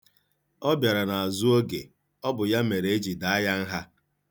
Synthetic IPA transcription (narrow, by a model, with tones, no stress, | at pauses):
ɔ˦bja˨ɾa˨na˨a˨zu˦o˦ɡḛ˨ | ɔ˦bʊ˨ja˦me˨ɾe˨˦e˦d͡ʒi˨da˨a˦ja˦n̩˦ɦa˦